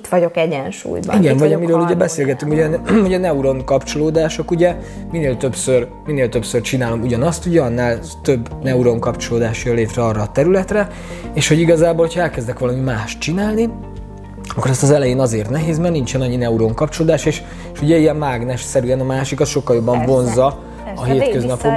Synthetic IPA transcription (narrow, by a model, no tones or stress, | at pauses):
it̪ʋɒɟokɛɟɛnʃṵːjbɒ̰iɡɛɱvɒɟɒmiɾøːluɟɛbɛseːlɡɛt̪yŋkoɛnho̞ɟɒnɛuɾo̞ŋkɒpt͡ʃoloːd̪aːʃokuɟɛ | mineːlt̪ø̞psør | mineːlt̪ø̞psørt͡ʃinaːlo̞muɟɒnɒst̪uɟɛɒnːaːl | t̪øbːnɛuɾo̞ŋkɒpt͡ʃoloːd̪aːʃjøleːt̪ɾɛɒrːɒːt̪ɛɾylɛt̪rɛ | eːʃho̞ɟiɡɒzaːbolhocʰɒɛlkɛzd̪ɛkʋɒlɒmimaːʃt̪t͡ʃinaːlni | ɒkːoɾɛst̪ɒzɛlɛjeːnɒzeːrt̪nɛɦeːzmɛrnint͡ʃɛnɒɲːinɛuɾo̞ŋkɒpt͡ʃoloːd̪aːʃeːʃ | eʃuɟɛijɛmmaːɡnɛʃsɛɾyɛnɒmaːʃikɒsʃo̞kːɒljo̞bːɒɱvo̞nzːɒ | ɒɦeːt̪køznɛfo